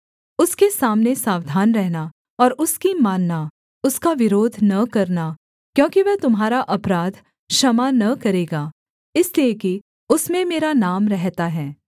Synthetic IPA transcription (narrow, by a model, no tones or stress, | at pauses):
ʊskesaːmnesaːʋd̪ʱaːnɾɛɦna | ɔːɾʔʊskimaːnːa | ʊskaʋɪɾoːd̪ʱnɐkɐɾna | kjõːkiʋɛɦt̪ʊmɦaːɾaʔɐpɾaːd̪ʱ | ʃɐmanɐkɐɾeːɡaː | ɪslieki | ʊsmẽmeːɾanaːmɾɛɦt̪aɦɛː